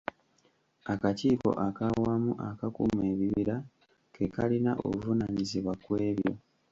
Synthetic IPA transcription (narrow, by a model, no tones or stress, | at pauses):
akaciːko̞̰ʔakawamuʔakakṵme̞ːβiβiɾa | ke̞kalinaʔo̰kuvunaːɲiziβwakweːβjo̞̰